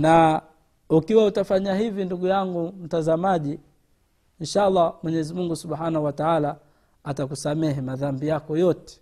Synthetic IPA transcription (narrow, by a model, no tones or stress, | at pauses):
na | ukiwautafaɲahivinduɡujaŋɡum̩tazamaʄi | inʃalˤːɑmwɛɲɛzimuŋɡusuɓħanahuwataala | atakusamɛɦimaðambijakɔjɔtɛ̥